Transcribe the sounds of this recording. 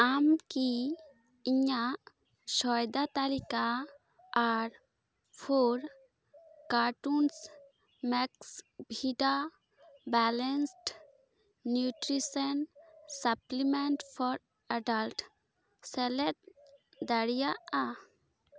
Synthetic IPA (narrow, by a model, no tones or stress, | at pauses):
amki | iɲaʔ | sɔjd̪at̪alikaː | ɾ | pʰoɾ | kaʈuns | mɛksbʱiɖa | bɛlɛnsʈː | juʈɾisənsaplimɛɳʈpʰɔɾ | aɖalʈ | sɛlɛt̪̚ | d̪aɽijaʔa